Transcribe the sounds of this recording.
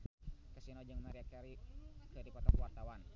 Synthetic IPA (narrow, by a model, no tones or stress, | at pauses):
kasinod͡ʒɨŋmaɾia | kəɾipɔt̪ɔkwart̪awan